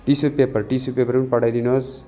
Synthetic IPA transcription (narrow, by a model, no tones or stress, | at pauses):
ʈisupepʌɾʈisupepʌɾunpʌɽajd̪inos